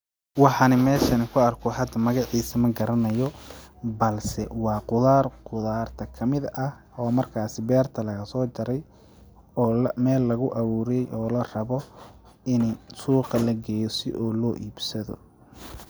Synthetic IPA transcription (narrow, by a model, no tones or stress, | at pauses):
wɑħɑnɪmɛːʃɐnɪkʰʊɐrkʰɔɦɐd̪ɐmɐɣɑʕiːsɐmɐɡɐɾɐnɐjɔbɐlsɛwɑːqʊðaːrqʊðaːrt̪ʰɐkʰɐmɪðɐh | ɔːmɐrkʰaːsɪbɛːrt̪ʰɐlɐɣɐsɔːd͡ʒɐɾɛj | ɔːmɛːlːɐɣʊʔɐβuːɾɛjɔːlɐrɐβɔ | ɪnsuːqɐlɐɡɛjɔsɪ̰ʔɔːlɔːʔiːbsɐðɔ̰